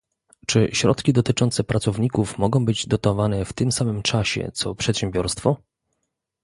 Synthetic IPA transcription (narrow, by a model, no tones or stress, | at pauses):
t͡ʂɘɕɾɔ̰t̪kʲid̪ɔt̪ɘt͡ʂɔnt̪sɛpɾat̪sɔvɲikufmɔɡɔ̃w̃bɘd͡ʑd̪ɔt̪ɔvanɛft̪ɘmsamɘmt͡ʂaɕɛ̰t̪sɔpʂɛt̪ɕɛmbʲjɔɾst̪fɔ